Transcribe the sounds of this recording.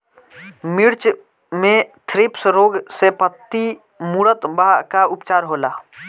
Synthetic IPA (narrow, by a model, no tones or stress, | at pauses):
mɪɾt͡ʃ | mẽt̪ʰɾɪpsɾoːɡsepət̪ːi | muːɽət̪bakaʊpt͡ʃaːɾɦoːlaː